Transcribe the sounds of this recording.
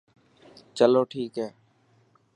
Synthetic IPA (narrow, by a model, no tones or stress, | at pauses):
t͡ʃəloːʈʰiːkɦɛː